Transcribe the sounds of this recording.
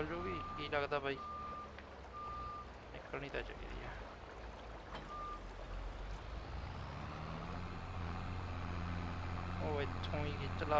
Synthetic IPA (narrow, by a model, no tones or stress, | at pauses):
ld͡ʒoːɡiːkiːləɡd̪aːbʱaːiː | nɪkːəlnĩːt̪aːt͡ʃə̰kḛɾḭːɛː | oːɪt̪ʰːõːiːkit͡ʃəla